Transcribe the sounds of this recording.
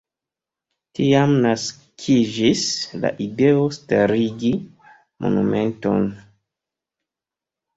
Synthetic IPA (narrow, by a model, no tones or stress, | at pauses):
tiamnas | kʰid͡ʒisla̰ʔide̞ostaɾiɡi | mʔo̰nume̞nto̞̰n